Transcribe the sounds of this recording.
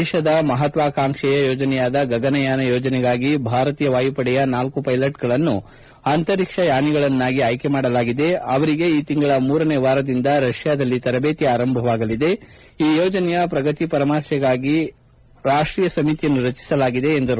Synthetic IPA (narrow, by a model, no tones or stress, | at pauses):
ɛːʃɐd̪ɐmɐɦɐt̪ʋaːkaːmʂɛjɐjoːd͡ʒɐnɛjaːd̪ɐɡɐɡɐnɐjaːnɐjoːd͡ʒɐnɛɡaːɡibʱaːɾɐt̪iːjɐʋaːjupɐɽɛjɐnaːlkupɐjlɐʈ̚ɡɐɭɐnːu | ant̪ɐɾikʂɐjaːniɡɐɭɐnːaːɡiɐjke̞maːɽɐlaːɡid̪e̞ɐʋɐɾiɡe̞iːt̪iŋɡɐɭɐmuːɾɐneːʋaːɾɐd̪ind̪ɐɾɐʂjaːd̪ɐlːit̪ɐɾɐbeːt̪iaːɾɐmbʱɐʋaːɡɐlid̪e̞ | iːjoːd͡ʒɐnɛjɐpɾɐɡɐt̪ipɐɾɐmaːɾʃɛɡaːɡi | ɾaːʂʈɾiːjɐsɐmit̪ijɐnːuɾɐt͡ʃi̥sɐlaːɡid̪e̞ːnd̪ɐɾ